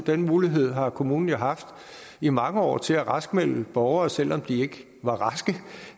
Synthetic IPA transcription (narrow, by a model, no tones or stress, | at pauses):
d̥enmuːliɦe̝ð̞̰ˠɦɑ̈kʰo̝muːnn̩jaɦɑ̈fd̥ | imɑ̈ŋəɒ̰ːt͡sʰe̝læʁɑsɡ̥mel̰b̥ɒʊɐːsel̰ɒ̽md̥ie̝ɡ̥ə | ʋɑ̈ʁɑ̈sɡ̥ə